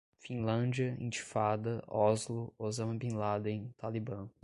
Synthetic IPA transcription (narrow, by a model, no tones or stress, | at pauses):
fĩlɐ̃d͡ʒiɐḭ̃t͡ʃi̥fad̪ɐɔzlʊozɐ̃mɐ̃bĩlad̪ẽt̪alibɐ̃